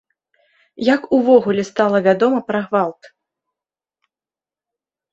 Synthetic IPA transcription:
jakuvɔɣulʲɛst̪alˠɐvʲad̪ɔmɐpɾɐɣvalˠt̪

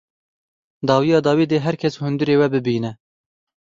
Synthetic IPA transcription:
d̪ɑːwijɑːd̪ɑːwiːd̪eːɦɛɾkʰɛshʊnd̪ɨɾeːwɛbɨbiːnɛ

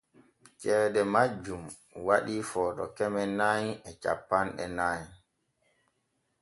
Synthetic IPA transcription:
t͡ʃɛːdɛmad͡ʒum | waɗifɔːɗɔ̰kɛmɛnajɛt͡ʃa̰pːanɗɛ̰naːj

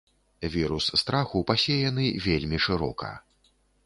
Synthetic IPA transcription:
vʲiɾusːt̪ɾaxupasʲejanɨvʲelʲmʲiʂɨɾɔ̰kɐ̰

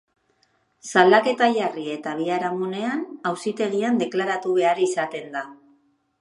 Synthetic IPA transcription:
sald̪ake̞t̪aʎarie̞t̪aβ̞iaɾamune̞anawsit̪e̞ɣiand̪e̞klaɾat̪uβe̞aɾisat̪e̞nd̪a

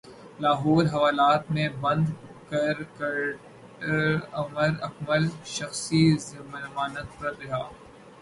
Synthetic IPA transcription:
laːɦɔːɾɦɐʋaːlaːt̪mẽbɐ̃nd̪kɐɾk | ɐməɾɐkməlʃɐxsizɐmmaːnət̪̚pɐɾɾɐɦaː

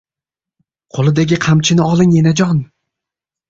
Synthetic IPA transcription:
qʰolˠɪd̪aɡʲɪqʰamt͡ʃʰɪnɪɒlˠɪŋenad͡ʒɒn

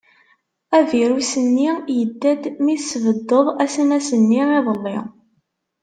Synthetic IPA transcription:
æviɾusənːijəd̪ːæd̪miθsvəd̪ːəðˤæsənæsənːiiðˤəlːɪ̰ʁ

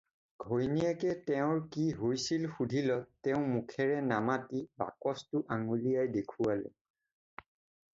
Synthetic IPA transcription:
ɡ̥ʱojniɛkɛtɛʊ̃ɹkiɦojsilxudʱilɔtːɛʊ̃mukʰɛɹɛnamatiba̰kɔstʊʔaŋulijajdekʰualɛ̰

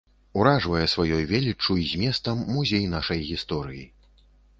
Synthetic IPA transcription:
uɾaʐvɐjɛsvajɔjvʲelʲit͡ʂːuizʲmʲɛst̪ɐmːuzʲejnaʂɐjɣʲist̪ɔɾɨji

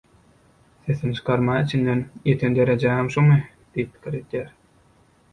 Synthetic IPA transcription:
θeθint͡ʃʰɯ̥qʰɑɾmɑːit͡ʃʰind̪enjet̪ʰend̪e̞ɾed͡ʒæɦemʃumɯ | d̪̥ijip̚ːʰi̥kʲʰiɾed̪jæːɾ

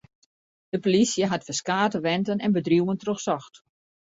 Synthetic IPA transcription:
d̥əpolisjəɦatfəskaːtəʋɛntənɛnbədruwəntroxsɔxt

